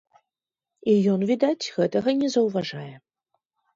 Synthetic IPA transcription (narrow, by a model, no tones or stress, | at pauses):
ijɔnvʲid̪at͡sʲɣɛt̪ɐɣɐnʲɛzɐwvaʐajɛ